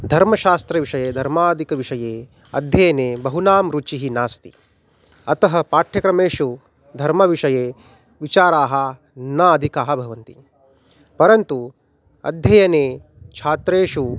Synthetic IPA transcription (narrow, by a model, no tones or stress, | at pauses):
d̪ʱɐɾmɐʃaːst̪ɾɐʋiʂɐjeːd̪ʱɐɾmaːd̪ʱikɐʋiʂɐjeː | ɐ̰d̪ʱjɐjɐneːbɐɦunaːmɾut͡ʃiɦinaːst̪i | ɐt̪ɐɦɐ̆paːʈʰjɐkɾɐmeːʃu | d̪ʱɐɾmɐʋiʂɐjeː | ʋit͡ʃaːɾaːɦɐ | naɐd̪ʱikaːɦɐbʱɐʋɐnt̪i | pɐɾɐnt̪u | ɐ̰d̪ʱjɐjɐneː | t͡ʃʰaːt̪ɾeːʂu